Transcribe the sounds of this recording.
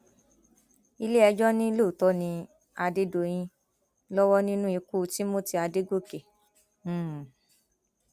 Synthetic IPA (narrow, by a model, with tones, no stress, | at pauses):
i˧le˦ɛ˧d͡ʒɔ˦nĩ˦lo˦˨tɔ˧˦nĩ˧ | a˧de˦do˧j̃ĩ˧ | lɔ˦wɔ˦nĩ˦nũ˦i˧ku˦˧ti˦mo˦ti˧a˧de˦ɡo˦˨kẽ˨˦˨